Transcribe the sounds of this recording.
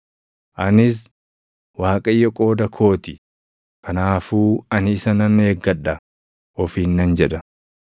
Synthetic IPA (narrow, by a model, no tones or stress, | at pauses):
ʔɐnɪs̬ | waːkʼɐjːɔkʼo̞ːd̪ɐkʰo̞ːt̪ɪ | kʰɐnaːfuːɐnɪɪsɐnɐne̞ːɡːɐᶑːɐ | ɔfiːnːɐnd͡ʒɛᶑɐ